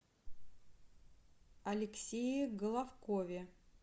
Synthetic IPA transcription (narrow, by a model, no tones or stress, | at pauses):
ɐlʲɪksʲejɪɡəlˠafkovʲɪ